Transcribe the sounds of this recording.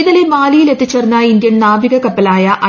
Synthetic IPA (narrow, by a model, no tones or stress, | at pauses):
inɐlemaːlijile̞t̪ːit͡ɕːɐrnːɐind̪jɐnnaːbiɣɐkɐpːɐlaːjɐʔɐ